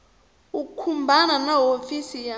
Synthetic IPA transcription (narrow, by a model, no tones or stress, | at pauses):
ukukʰumbʱananaɦofisija